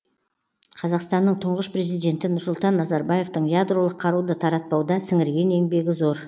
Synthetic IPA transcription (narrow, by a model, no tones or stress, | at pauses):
qʰɑzɑqst̪ɑnːəɴt̪ʰʊɴʁəʃpɾe̞zijd̪e̞nt̪ɪnʊɾsʊlˠt̪ɑnːɑzɑɾbɑje̞ft̪əɴjad̪ro̞lˠəqʰːɑɾud̪ət̪ʰɑɾɑt̪̚pɑwd̪ɑsɪŋɪɾɡʲe̞ne̞ŋbe̞ɡʲɪzo̞ɾ